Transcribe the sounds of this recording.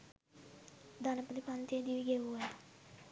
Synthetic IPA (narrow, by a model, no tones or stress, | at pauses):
d̪anəpd̪ipant̪ed̪iʋiɡeuɛ